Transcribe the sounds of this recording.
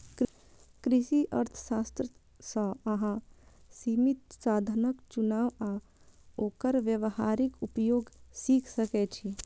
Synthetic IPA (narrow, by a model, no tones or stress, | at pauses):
k | kɾɪʃiʔəɾt̪ʰə̥saːst̪ɾə | səɐɦãsimit̪̚saːd̪ʱənəkt͡ʃunaːʋa | oːkəɾʋjəʋhaːɾikupjoːɡsiːkʰsəkɛt͡ʃʰi